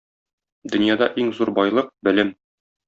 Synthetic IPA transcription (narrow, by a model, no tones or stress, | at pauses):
d̪ɵ̆njɑd̪ɑʔiŋzuɾbɒjlˠɤq̚bɘ̆lɘm